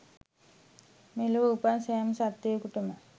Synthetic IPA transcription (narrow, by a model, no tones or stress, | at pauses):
meluʋəupansæːmsat̪ːejəkuʈəmə